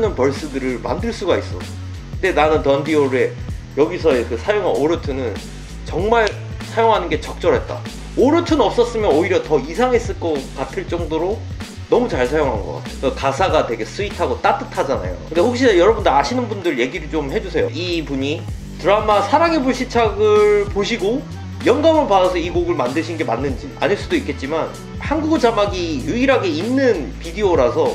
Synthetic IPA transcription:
nɯnpʌɭs͈ɯdɯɾɯɭma̰ndɯɭs͈uɡais͈ʌ̰ | kɯnde̞nanɯntʌndioɾe̞ | jʌɡisʰʌekɯsʰajoŋanoɾɯtʰɯnɯn | t͡ɕʌŋmaɭ | sʰajoŋɦanɯnɡe̞t͡ɕʌk̚t͡ɕ͈ʌɾɦe̞t̚t͈a̰ | oɾɯtʰɯnʌp̚s͈ʌs͈ɯmjʌnoiɾjʌtʌisʰaŋɦes͈ɯɭk͈ʌkatʰɯɭt͡ɕ͈ʌŋdoɾo | nʌmut͡ɕaɭsʰajoŋɦa̰nɡʌk͈a̰tʰeʌkasʰaɡatwe̞ɡe̞sʰuitʰaɡot͈at͈ɯtʰad͡ʑana̰jo̰kɯndehok̚ɕ͈inajʌɾʌbundɯɾaɕʰinɯnbundɯɭje̞ɡiɾɯɭt͡ɕomhe̞d͡ʑusʰe̞jo̰ipuɲi | tɯɾamasʰaɾaŋe̞buɭɕʰit͡ɕʰaɡɯɭpoɕʰiɡo | jʌnɡamɯɭpadasʰʌiɡoɡɯɭmandɯɕʰinɡe̞manːɯnd͡ʑia̰ɲeɭs͈udoik͈e̞t̚t͡ɕ͈iman | hanɡuɡɯt͡ɕamaɡijuiɾaɡe̞inːɯnpidioɾasʰʌ

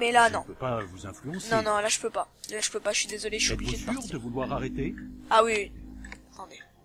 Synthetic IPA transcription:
mɛlanɔ̃øpavuzɛ̃flyɑ̃snɔ̃nɔ̃laʒəpøpalaʒə̥pøpaəɥid̪ezɔleʃiobliuʒedəpayʁd̪əvulwaʁaʁet̪eawiwiat̪ɑ̃d̪e

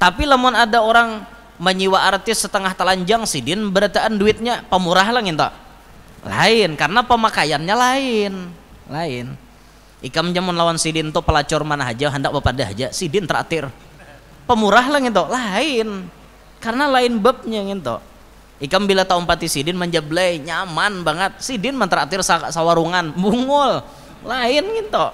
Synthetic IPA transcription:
t̪apilamʊnadaoɾaŋ | məɲiwaːrt̪ɪssət̪əŋaht̪əlaɲd͡ʒaŋsidɪnbəɾat̪aʔːnduɪt̪̚ɲapəmuɾaɦlaŋint̪ɔ̰ʔ | la̰ɪnkarənapəmakajanɲalaɪn | laɪn | ikamd͡ʒamʊnlawansidɪnt̪ʊpəlat͡ʃɔrmanaɦad͡ʒaɦəndak̚bapadaɦa̰d͡ʒasidɪnt̪əɾa̰t̪ɪr | pəmuɾaɦlaŋint̪̬olaɪn | karənalaɪnbəp̚ɲaŋɪnt̪o̰ | ikambilat̪aumpat̪isidɪnmaɲd͡ʒablajɲamanbaŋət̪̚sidɪnmant̪əɾat̪ɪrsasawaɾuŋanbuŋʊl | laɪnɡint̪o

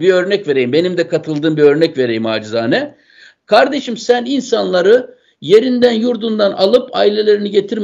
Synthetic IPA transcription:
biø̞ɾnɛcve̞ɾe̞jimbe̞nimd̪ɛkʰat̪ʰɯlˠd̪ɯːmbiø̞ɾnɛcve̞ɾe̞jima̰ːd͡ʒizaːnɛ | kʰaɾd̪e̞ʃimsæninsanlˠaɾɯ | je̞ɾind̪ænjuɾd̪und̪analˠɯpʰa̰ːilʲe̞lʲe̞ɾiniɟe̞t̪ʰiɾm

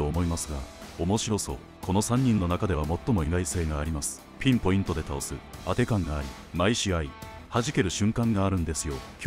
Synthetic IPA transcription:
oːmo̞imasɨɡa̰omo̞ɕiɾo̞so̞̰ | ko̞no̞sãɲ̟ːĩnːo̞nakad̪e̞βamo̞t̪ːo̞mo̞iɡaise̞ːɡaːɾʲimasɨ̥ | pʲĩmpo̞ĩnt̪o̞d̪e̞t̪ao̞sɨat̪e̞kãŋɡaːɾʲi | maiɕiai | haʑike̞ɾɯ̟ɕɨ̃ŋkãŋɡaːɾɯ̟̃nd̪e̞sɨjo̞kʲ

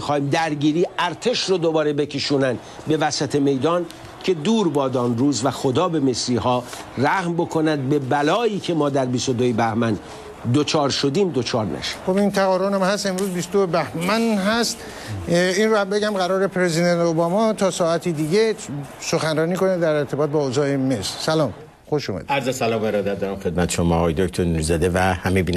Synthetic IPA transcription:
xɒːhiːmd̪æɾɟiːɾiːæɾt̪ʰe̞ʃrod̪obɒːɾe̞be̞cʰeʃuːnænd̪ | be̞væsæt̪ʰe̞me̞jd̪ɒːn | cʰe̞d̪uːɾbɒːd̪ɒːnruːzvæxod̪ɒːbe̞me̞sɾiːɦɒːræhmbo̞kʰo̞nænd̪̚be̞bælɒːiːcʰe̞mɒːd̪æɾbist̪od̪ojebæhmæn | d̪ot͡ʃʰɒːɾʃo̞d̪iːmd̪ot͡ʃʰɒːɾnæ̰ʃe̥xobint̪ʰæɣɒːɾonæmhæst̪e̞mɾuːzbisd̪oebæhmænɦæst̪ | inɾoæmbeɟæmɣæɾɒːɾepʰɾezid̪ent̪obɒːmɒt̪ʰɒːsɒːæt̪ʰid̪iːɟesoxænɾɒːniːkoned̪æɾeɾt̪ʰebɒːt̪̚bɒːozɒːemesɾsælɒːm | xoʃumæ̰d̪iæɾzesælɒːmbeɾɒːd̪æt̪̚d̪ɒːɾæmxe̞d̪̚mæt̪ʰeʃomɒːɣɒːjed̪oct̪ʰoɾnuɾzæd̪evæhæmebiːn

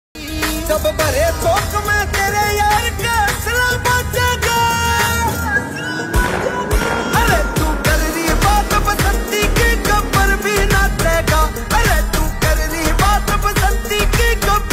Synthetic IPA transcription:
d͡ʒɐbbɐɾeːt̪oːkmɛ̃ːt̪eːɾejaːɾkesɐlaːbaːd͡ʒeːɡaː | ɐɾeːt̪uːkɐɾɾibaːt̪əbəzɐ̃nt̪iːkikɐbəɾbʱiːnaːt̪ɾɛːɡaː | ɐɾet̪uːkɐɾɾibaːt̪ɐbzə̃nt̪iːkikɐ

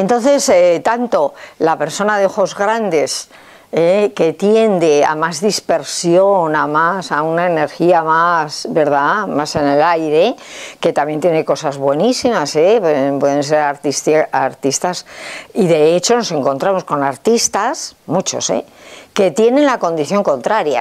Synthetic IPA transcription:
ent̪õ̞nθe̞set̪ant̪o̞lape̞ɾso̞naðeoxo̞zɣɾand̪e̞s | eke̞t̪je̞nd̪e̞a̰mazðispe̞ɾsjo̞namasaunaene̞ɾxiamasβe̞ɾðamase̞ne̞lajɾe̞ke̞t̪amje̞nt̪je̞ne̞ko̞sazβwe̞nisimase̞peempwe̞ðe̞ns̬e̞ɾaɾt̪ist̪aɾt̪ist̪asiðe̞et͡ʃo̞no̞se̞ŋko̞nt̪ɾamo̞sko̞naɾt̪ist̪asmut͡ʃo̞̰se̞̰ke̞t̪je̞nẽ̞nlako̞nd̪iθjo̞ŋkõ̞nt̪ɾaɾja̰

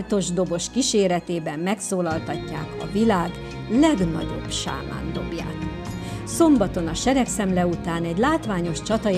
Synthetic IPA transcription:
lt̪o̞ʒd̪o̞bo̞ʃkiʃeːɾɛt̪eːbɛmːɛksoːlɒlt̪ɒcːa̰ːkɒ̰vilaːɡ | lɛɡnɒ̰ɟo̞̰bʃa̰ːma̰ːnd̪o̞bja̰ːt̪ | so̞mbɒt̪o̞nɒʃɛɾɛksɛmlɛut̪aːnɛɟlaːt̪ʋaːɲo̞ʃt͡ʃɒt̪ɒ

